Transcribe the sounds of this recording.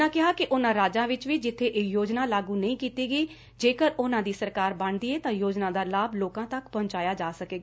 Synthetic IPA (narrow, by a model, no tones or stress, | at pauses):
ãːkɪɦaːkɪʔʊnãːɾaːd͡ʒãːʋɪt͡ʃʋiːd͡ʒɪt̪ʰːeːʔeːjoːd͡ʒnaːlaːɡũːnəĩːkiːt̪iːɡiː | d͡ʒeːkəɾʊnãːd̪iːsəɾkaːɾbəɳd̪iːeːt̪ãːjoːd͡ʒnãːd̪aːlaːbloːkãːt̪əkpəɲt͡ʃaːjaːd͡ʒaːsəkeːɡaː